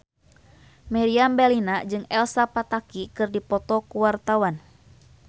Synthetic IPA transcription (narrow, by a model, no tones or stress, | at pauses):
mɛɾiambɛlinad͡ʒɨŋɛlsapat̪akikɨrdipɔt̪ɔkuwart̪awan